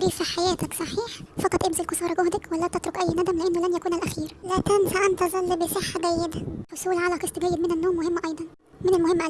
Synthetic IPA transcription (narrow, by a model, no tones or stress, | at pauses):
ɾiːfæħajæːt̪æksˤɑħiːħfɑqɑt̪ˤʔemzelqosˤɑːɾˤɑɡohd̪ækwælːæːt̪æt̪ɾokʔæjːnæd̪æmleʔenːolænjækuːnælʔæxiːɾlæːkænfæʔænt̪æzˤɑlːibesˤeħːadæjːed̪ħosˤuːlʕalæqesˤt̪ɡæjːed̪menænːoːmːohemːʔɑjd̪ˤɑn | menælmʊhemːʔæ